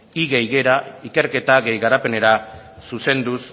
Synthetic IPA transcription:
iɣejɣe̞ɾaike̞ɾke̞t̪aɣe̞jɣaɾape̞ne̞ɾa | suse̞nd̪us

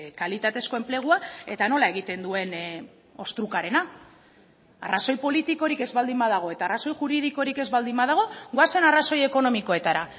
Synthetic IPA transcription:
kalit̪at̪e̞sko̞e̞mple̞ɣ̞uae̞t̪ano̞lae̞ɣ̞it̪e̞nd̪ue̞n | o̞st̪ɾukaɾe̞na | a̰raso̞jpo̞lit̪iko̞ɾike̞zβald̪imbaðaɣ̞o̞e̞t̪aːraso̞jxuɾið̞iko̞ɾike̞zβald̪imbað̞aɣ̞o̞ɣoase̞naraso̞je̞ko̞no̞miko̞e̞t̪aɾa

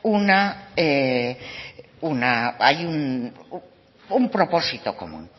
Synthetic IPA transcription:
unae | unaajun | umpɾo̞posit̪oko̰mṵ̃n

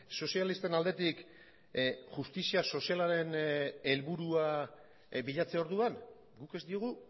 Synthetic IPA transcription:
so̞sijalist̪e̞nald̪e̞t̪ik | ʝust̪isiaso̞sialaɾe̞ne̞lβuɾua | biʎat͡seo̞ɾðuan | ɡuke̞zd̪ioɣ̞u

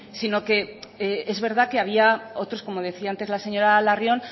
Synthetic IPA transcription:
sino̞ke̞eezβe̞ɾð̞ake̞aβ̞iao̞t̪ɾo̞sko̞mo̞ð̞e̞θiaant̪e̞zlase̞ɲo̞ɾalarjo̞n

